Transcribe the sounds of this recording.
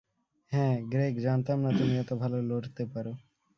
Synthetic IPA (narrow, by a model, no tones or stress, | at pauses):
ɦɛ̃ɡɾekd͡ʑant̪amnat̪umiɛt̪obʱaloloɽt̪epaɾo